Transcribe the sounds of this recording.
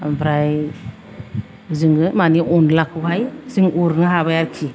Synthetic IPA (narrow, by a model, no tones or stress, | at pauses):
bɾaj | zɯŋɡɯmaniʔɔnlak̚ʰuɦajsiŋuɾnɯɦaβajaɾkʰi